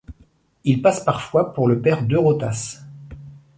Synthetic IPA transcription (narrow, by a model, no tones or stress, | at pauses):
ilpaspaʁfwapuʁləpɛʁd̪øʁot̪as